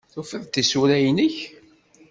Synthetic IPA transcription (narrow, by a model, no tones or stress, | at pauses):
θufəðt̪isuɾæjnəç